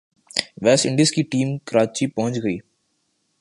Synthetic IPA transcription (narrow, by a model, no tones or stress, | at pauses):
ʋɛːsɪ̃ɳɖɪiəskiʈiːmkɾaːt͡ʃipɐɦʊ̃ɲt͡ʃɡəiː